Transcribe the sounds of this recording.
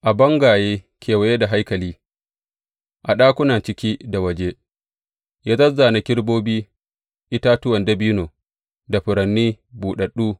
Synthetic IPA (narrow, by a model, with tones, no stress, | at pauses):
ʔa˨bɐ˦ŋɡaː˨jeː˦ | kʲʰeː˨wɐ˨˦je˦da˨ɦa˦jkɐ˨liː˦ | ʔa˨ɗaː˦kʷʊ˦na˨t͡ʃɪ˦kʲiː˦da˨wɐ˦˨d͡ʒe˦ | jaː˦zɐ˦zːaː˨na˨kʲɪ˦ɽboː˦biː˦ | ʔɪ˦taː˦tʊ˦wɐ˨ndɐ˦biː˦noː˨ | da˨ɸɪ˨ɾɐ˨nːiː˦buː˨ɗɐ˨ɗːuː˦